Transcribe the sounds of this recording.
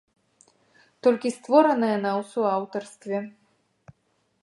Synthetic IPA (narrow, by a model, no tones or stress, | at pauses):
t̪ɔlʲkʲist̪vɔɾɐnɐjɐnawsuawt̪ɐrst̪vʲɛ